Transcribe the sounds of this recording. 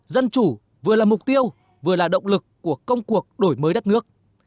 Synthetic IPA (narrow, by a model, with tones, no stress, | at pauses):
zə˧nt͡ɕu˧˩ | vɨ˨˩əlaː˨˩mʊ˨˩k͡p̚t̪i˧əw | vɨ˨˩əlaː˨˩ɗə̰˧˨wŋ͡mlɨ˨˩kːu˧˩əkə˧wŋ͡mku˨˩ək̚ɗo˧˩jməː˨˦jɗə˦˥t̚nɨ˦˥ək̚